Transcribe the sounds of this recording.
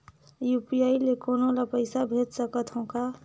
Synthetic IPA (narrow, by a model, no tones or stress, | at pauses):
jupijailekonolapəɪsabʱet̪səkət̪ɦõka